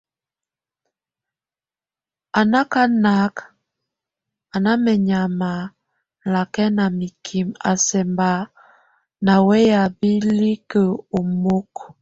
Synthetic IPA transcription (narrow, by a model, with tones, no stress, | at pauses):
a˨na˦ka˦na˦k | a˨na˦mɛ˨ɲa˨ma˨ | la˨kɛ˦na˨mi˨kʰi˨ma̰˨sɛ˨mba˨˦ | na˨wɛ˦ja˨bi˦li˦kə˨o˨mo˦k